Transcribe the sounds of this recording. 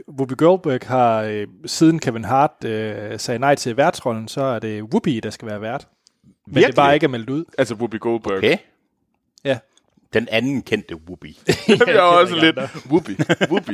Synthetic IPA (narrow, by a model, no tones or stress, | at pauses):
ʋub̥iɡ̥oʊlb̥øɡ̥hɑ̈siːð̞ˠn̩kʰæʋe̝nɦɑ̈ːd̥øseɪnɑ̈ɪt͡sʰe̝lʋæɐd̥sʁɒ̽ln̩sɒ̽æɐd̥e̝ʋub̥id̥ɑ̈sɡ̥æʋæːɐʋæɐ̰d̥ | mende̥ɑ̈ːe̝ɡ̥æɐmel̰d̥uð̞̰ˠælsəʋub̥iɡ̥olb̥ɡ | jæ | d̥enænn̩kʰen̰d̥əʋub̥i | ɒsəled̥ʋub̥iub̥i